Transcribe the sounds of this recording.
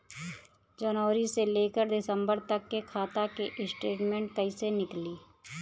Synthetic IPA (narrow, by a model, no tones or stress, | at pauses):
d͡ʒənɔːɾiseleːkəɾd̪ɪsə̃mbəɾt̪əkːekʰaːt̪akeʔɪsʈeːʈmẽːɳʈ̚kəisenɪkliː